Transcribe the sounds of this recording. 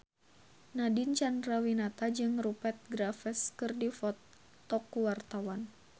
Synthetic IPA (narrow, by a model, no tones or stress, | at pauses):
nadint͡ʃandrawinat̪ad͡ʒɨŋrupɛt̪̚ɡɾafɛskɨrdifɔt̪ː | ɔkːuwart̪awan